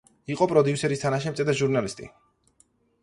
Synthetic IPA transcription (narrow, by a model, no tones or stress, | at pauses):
iqʼɔpʼɾɔd̪iusɛɾist̪ʰanaʃ̬ɛmt̪sʼɛd̪aʒuɾnalist̪ʼḭ